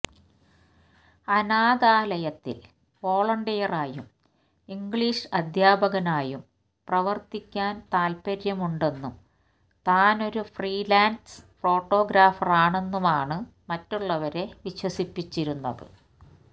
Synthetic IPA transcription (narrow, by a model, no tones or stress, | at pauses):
ɐnaːðaːlɐjɐt̪ːḭl | po̞ːɭɐɳɖijɐraːjum | iŋɡɭiʂɨɐd̪ʱjaːbʱɐɣɐnaːjum | prɐʋɐrt̪ikʲːaːnt̪aːlpɐɾjɐmuɳɖe̞nːum | t̪aːno̞ɾufriːlaːnsfo̞ːʈːo̞ːɡɾaːfɐraːɳe̞nːumaːɳɨmɐtːuɭːɐʋɐɾe̞ʋiɕwɐsipːit͡ɕːiɾunːɐ̰ðɨ̰